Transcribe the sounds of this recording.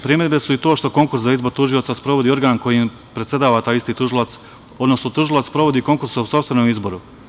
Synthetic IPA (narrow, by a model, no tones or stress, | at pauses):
pɾimed̪be̞suit̪oːʃt̪o̞ko̞ŋkuɾszaizbo̞ɾt̪uʒio̞t̪saspɾo̞ʋo̞d̪iːo̞ɾɡaːnko̞jim | pɾet̪sʲe̞d̪aːʋat̪aːjist̪iːt̪uʒilat̪s | o̞d̪no̞snot̪uʒilˠat̪spɾo̞ʋo̞d̪iːko̞ŋkuɾsoso̞pst̪ʋe̞nomizbo̞ɾu